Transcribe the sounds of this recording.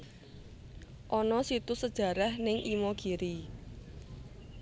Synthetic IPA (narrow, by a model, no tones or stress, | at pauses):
ʔɔnɔsit̪usəd̥ʒ̥ä̤ɾahnɪŋʔimɔɡ̥iɾi